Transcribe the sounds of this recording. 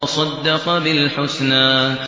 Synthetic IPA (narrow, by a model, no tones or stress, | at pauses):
sˤɑd̪ːɑqbɪlħʊsnaː